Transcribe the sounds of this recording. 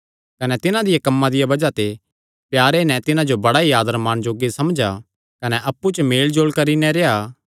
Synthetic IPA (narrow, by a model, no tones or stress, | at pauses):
kɐnɛt̪ɪnãd̪ɪjakɐmːãd̪ɪjabɐd͡ʒat̪e | pjaːɾenɛ̃t̪ɪnãd͡ʒobɐɽaiaːd̪əɾmaːñd͡ʒoːɡesɐmd͡ʒa | kɐnɛʔɐpːut͡ʃmeːld͡ʒoːlkɐɾinɛ̃ɾeːaː